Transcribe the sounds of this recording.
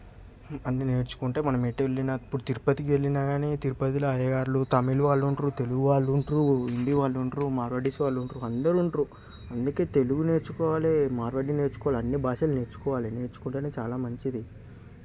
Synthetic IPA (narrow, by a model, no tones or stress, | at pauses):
ɐnːine̞ːɾt͡ʃu̥kuɳʈeːmɐnɐmeʈːʋeɭːinɐipːuɽut̪iɾupɐt̪ikiʋe̞ɭːinaːɡaːniːt̪iɾupɐt̪ilɐɐjɐɡaːɾlut̪ɐmiluʋaːɭːuɳʈɾut̪e̞luɡuʋaːɭːuɳʈɾuind̪iʋaːɭːuɳʈɾumaːɾʋɐɖisiʋaːɭːuɳʈɾuɐnd̪ɐɾuɳʈɾu | ɐnd̪uke̞ːt̪e̞luɡune̞ːɾt͡ʃukɔːʋaːlemaːɾʋɐɖine̞ːɾt͡ʃu̥kɔʋaliɐnːibaːʃɐlne̞ːɾt͡ʃu̥kɔːʋaːliɐneːɾt͡ʃu̥kuɳʈeːneːt͡ʃaːlaːmɐɲt͡ʃid̪i